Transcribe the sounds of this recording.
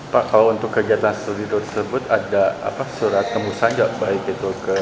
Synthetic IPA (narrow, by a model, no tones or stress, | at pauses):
paʔkalaunt̪ʊkːərd͡ʒiat̪anst̪ud̪it̪ut̪əsəbʊt̪adaa̰pasuɾat̪̚kəmusaɲd͡ʒaʔbaɪkit̪ukə